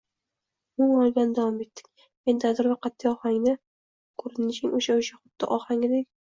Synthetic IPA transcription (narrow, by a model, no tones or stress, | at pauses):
mʊŋɒlˠɡʲanɪd̪avɒme̞t̪ːɪ̥kʲ | end̪ad̪ɪɾvaqʰat̪ʰːɪjɒhaŋnɪ | kʰɵɾɪnɪʃɪŋoʃaʊʃaχʊd̪̥ːɪ̰ʔɒhaŋʲɪd̪ekʲ